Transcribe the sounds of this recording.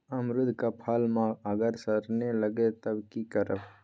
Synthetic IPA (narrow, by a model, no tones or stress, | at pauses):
ɐmɾʊd̪ʱkapʰaːlmãəɡəɾsəɾneləɡet̪əbkikəɾəbʰ